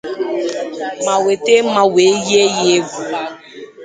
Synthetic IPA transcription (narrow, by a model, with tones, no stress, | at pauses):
mã˨we˨te˦ma˨we˨˦je˦je˦vu˨